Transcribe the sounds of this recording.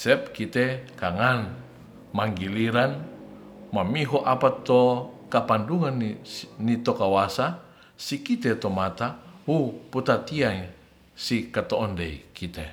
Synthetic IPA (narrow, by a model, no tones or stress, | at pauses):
sɛp̚kit̪ɛkaŋan | maŋɡiliɾan | mamiɦɔʔapat̪okapanduŋannit̪okawasa | sikit̪ɛt̪omat̪awuput̪at̪iaŋ | sikat̪oʔɔndeḭkit̪ɛ